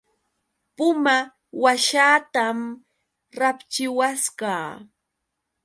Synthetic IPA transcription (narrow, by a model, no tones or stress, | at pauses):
pʊma | waʃaːt̪am | ɾapt͡ʃɪwaskaː